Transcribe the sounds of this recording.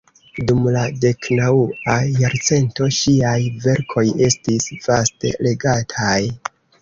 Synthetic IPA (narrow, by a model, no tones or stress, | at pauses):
dumlade̞knauajaɾt͡se̞nto̞ʃiajve̞ɾkʰo̞je̞stisv̥aste̞̰le̞ɡatʰaj